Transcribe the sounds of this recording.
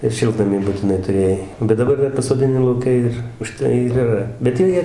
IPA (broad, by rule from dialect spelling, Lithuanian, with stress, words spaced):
ɪr ˈʃʲɪlˠtnɐmʲiː bʊtʲɪˈnɐɪ tʊˈrʲeːjɛɪ bʲɛt dɐˈbɐr ˈdɐr pɐsoːdʲɪˈnʲɪ lˠɐʊˈkʲɛ ɪr ʊˈʃtɐɪ ɪr iːˈrɐ bʲɛt ˈjiɛ ˈjiɛ